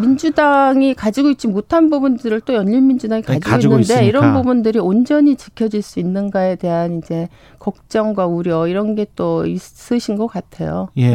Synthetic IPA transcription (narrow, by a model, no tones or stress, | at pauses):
mind͡ʑudaŋikad͡ʑiɡoit̚t͡ɕ͈imotʰanbubundɯɾɯɭt͈ojʌnʎiɭmind͡ʑudaŋikad͡ʑiɡaoinːɯnde̞iɾʌnbubundɯɾiond͡ʑʌɲit͡ɕikʰjʌd͡ʑiɭs͈uinːɯnɡae̞de̞ɦanind͡ʑe̞ | kʌk̚t͡ɕ͈ʌŋɡwauɾjʌiɾʌnɡe̞t͈ois͈ɯɕʰinɡʌk͈atʰe̞̰jo̰